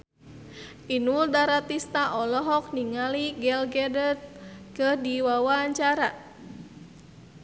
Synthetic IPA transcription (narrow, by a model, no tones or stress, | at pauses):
inuldaɾat̪ist̪aʔɔlɔɦɔk̚niŋaliɡɛlɡɛdət̪̚kəhdiwawaːɲt͡ʃaɾa